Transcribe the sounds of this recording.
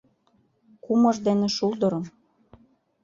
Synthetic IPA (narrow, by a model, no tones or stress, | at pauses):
kumɤ̆ʒd̪enĕʃuld̪ɤ̆ɾɤ̆m